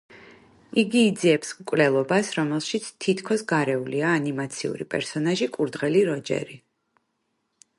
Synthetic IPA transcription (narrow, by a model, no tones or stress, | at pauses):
iɡiːd̪ziɛpsmkʼwlɛlˠɔbasɾɔmɛlˠʃit̪sʰt̪ʰit̪ʰkʰɔsɡaɾɛuliaːnimat̪sʰiṵɾipʼɛɾsɔnaʒikʼuɾd̪ʁɛliɾɔd͡ʒɛ̰ɾi